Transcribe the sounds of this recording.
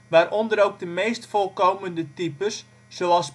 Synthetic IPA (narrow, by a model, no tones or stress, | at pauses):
ʋaːɾʔɔndəɾowk̚dəmeːstfolˠkoːwməndətipəsː | oɔlˠs